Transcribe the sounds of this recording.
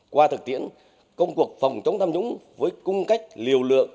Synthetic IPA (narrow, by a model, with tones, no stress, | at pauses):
kwaː˧t̪ʰɨ˨˩k̚t̪ḭ˧˥ən | kə˧wŋ͡mku˨˩ək̚fə˨˩wŋ͡mt͡ɕə˨˦ŋ͡mt̪ʰa˧mɲʊ̰˧˥ŋ͡mvəː˨˦jkʊ˧ŋ͡mka˦˥jk̟̚li˨˩əwlɨ̰˧˨əŋ